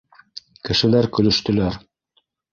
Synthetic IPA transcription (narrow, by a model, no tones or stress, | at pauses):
kɘ̆ʃɘ̆læɾkɵ̆lɵ̆ʃt̪ɵ̆læɾ